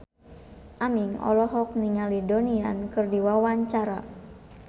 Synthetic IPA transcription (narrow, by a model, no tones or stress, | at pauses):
ʔamiŋɔ̰lɔɦɔk̚niŋalidoniankɨrdiwawaɲt͡ʃaɾa̰